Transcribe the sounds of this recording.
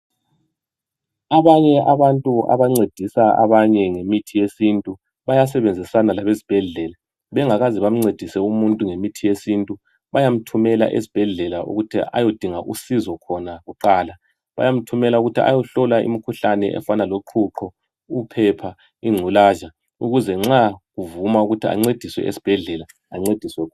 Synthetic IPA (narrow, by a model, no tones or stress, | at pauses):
aβaɲɛʔaβantʼuʔa̰βaŋ͡ǀed̥ʱisaa̰βaɲɛŋemitʰijesintʼu | βajas̬ɛβend͡zʱisanalaβezib̥ʱɛɮɛla | βɛŋaɣaziβam̩ŋ͡ǀed̥ʱisɛumuntʼuŋemitʰijesintʼu | βajam̩tʰumɛla̰ʔḛsi̥b̥ʱɛɮɛlaʔṵɣutʰḭʔa̰jod̥ʱiŋaʔusizɔkʰɔnaɣuǃaːla | βa̰jam̩tʰumɛlauɣutʰia̰jɔɬɔlaḭmikʰuɬanɛʔɛ̰fanaloǃʰuǁʰɔ | upʰɛpʰa | iŋ͡ǀʱulaːʒa | uɣuzɛŋ͡ǁaɣuvumauɣutʰia̰ŋ͡ǀed̥ʱiswɛ̰ʔḛsi̥b̥ʱɛɮɛlaːŋ͡ǀed̥ʱiswɛkʰɔ